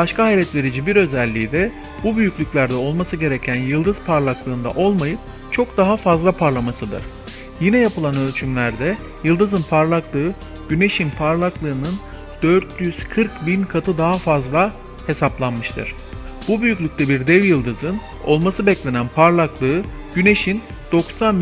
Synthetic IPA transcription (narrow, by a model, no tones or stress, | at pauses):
baʃkʰaɦajlʲɛt̪vʲe̞ɾid͡ʒibiɾø̞zælʲːiːd̪ɛ | bubyjycʲlʲycʲlʲæɾd̪ɛo̞lˠmasɯɟe̞ɾecʰænjɯlˠd̪ɯzpʰaɾlˠaklˠɯːnd̪a̰ʔo̞lˠmajɯp | t͡ʃʰo̞kd̪aɦafazlˠapʰaɾlˠamasɯd̪ɯ̰ɾ̥ | jinɛjapɯlˠanølʲt͡ʃʰymlʲæɾd̪ɛ | jɯlˠd̪ɯzɯnpʰaɾlˠaklˠɯɯ | ɟ̥yne̞ʃinpʰaɾlˠaklˠɯːnɯn | d̪̥øɾt̪ʰjyz̥kʰɯɾkbinkʰat̪ʰɯd̪aɦafazlˠa | he̞saplˠanmɯʃt̪ʰɯ̰ɾ̥ | b̥ubyjycʲlʲyc̚t̪ʰɛbiɾd̪ɛvjɯlˠd̪ɯzɯn | o̞lˠmasɯbɛclʲe̞nænpʰaɾlˠaklˠɯɯ | ɟ̥yne̞ʃin | d̪̥o̞ksan